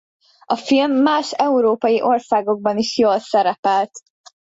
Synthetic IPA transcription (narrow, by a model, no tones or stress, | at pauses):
ʔɒfilmːaːʃɛuɾoːpɒjiʔo̞rsaːɡo̞ɡ̚bɒniʃjoːlsɛɾɛpɛlt̪